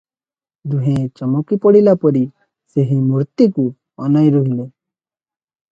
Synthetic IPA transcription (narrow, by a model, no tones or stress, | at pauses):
d̪uɦẽt͡ʃɔmɔkipɔɽilapɔɾi | seɦimuɾt̪iku | ɔ̰najɾɔɦile